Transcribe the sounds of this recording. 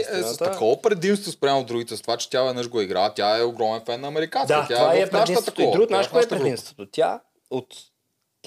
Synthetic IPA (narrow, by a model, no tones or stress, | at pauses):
ɛt̪ɐkɔpɾɛd̪imst̪vospɾʲjamoɾuɡit̪ɛst̪ovat͡ʃɛ̥t̪javɛd̪nəʃɡoɛiɡɾat̪jaɛoɡɾɔmɛnfɛnːɐːmɛɾikand̪iaɐt̪javaɛɾaʃĩt̪ət̪ɐot̪iɔuɡot̪naʃaɛp̪ɾɛd̪ĩmst̪vot̪ot̪ʲa̰ | ot̪ːʲ